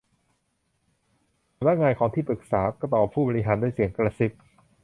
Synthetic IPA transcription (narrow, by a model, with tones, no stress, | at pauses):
a˨˧mna˦˥ŋaː˧jkʰɔː˩˦ŋt̪ʰiː˥˩pɾɯ˨˩k̚saː˩˦kɔː˥˩t̪ɔː˨˩pʰːuː˥˩bɔː˧ɾi˧˥ɦaː˩˦nduː˥˩jsi˨˩˦əŋkɾa˧si˨˩p̚